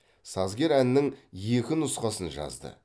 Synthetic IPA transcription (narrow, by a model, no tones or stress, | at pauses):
sɑzɡʲe̞ɾænɪnɪŋje̞kʲɪnʊsqɑsənʒɑ̰zd̪ə̰